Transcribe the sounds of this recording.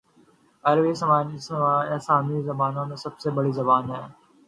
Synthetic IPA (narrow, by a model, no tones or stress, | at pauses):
ɐɾʋisəmaː | saːmizɐbaːnõmẽsɐbsebɐɽizɐbaːnɦɛː